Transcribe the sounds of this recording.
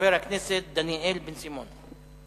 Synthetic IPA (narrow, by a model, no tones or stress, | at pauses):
eːɾakneːset̪̚d̪aniʔeːlbɪnsimoːn